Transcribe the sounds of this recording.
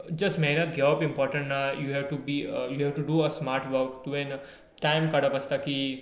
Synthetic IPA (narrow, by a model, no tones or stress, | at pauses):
d͡ʒɐsmeːnət̪̚ɡɛpɪ̃mpɔːɾʈə̃ɳʈnajuɦɛʋʈubiːjuɦɛʋʈuɖuəsmaːɾʈʋəɾkt̪uʋẽn | ʈãɪmkɐɽəpɐst̪aki